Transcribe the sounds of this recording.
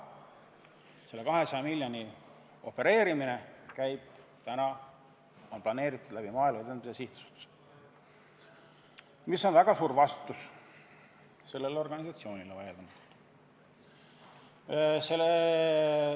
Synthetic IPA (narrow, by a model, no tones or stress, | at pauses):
se̞lːe̞kɑɦe̞sɑjɑmilʲːjɑni | o̞pːˑe̞ɾe̞ːɾimine̞kæjb̥t̪ænɑ | o̞nplɑne̞ːɾit̪ːˑud̪̥læb̥imɑːilmɑed̪enmisesiht̪u̥su̥t̪ːu̥s | misːo̞nvæɡ̥ɑsuːɾvɑst̪u̥t̪ːus | se̞lːe̞leo̞rɡ̥ɑnisɑt̪sio̞ːnilevɑjeld̪ɑnud̪ | sel